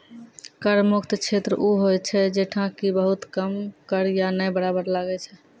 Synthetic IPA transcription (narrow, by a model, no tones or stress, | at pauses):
kəɾmukʰt̪t͡ʃʰet̪ɾəʔuɦojt͡ʃʰɛd͡ʒeʈʰãkibəɦut̪kəmkəɾjanəjbəɽabəɾlaɡɛt͡ʃʰɛ